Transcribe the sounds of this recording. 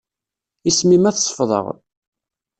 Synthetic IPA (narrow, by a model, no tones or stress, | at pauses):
ismimæθsˤə̥fðˤə̰ʁ